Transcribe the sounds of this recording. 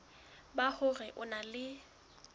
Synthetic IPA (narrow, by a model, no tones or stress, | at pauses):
baχʊrɛʔʊnalɪ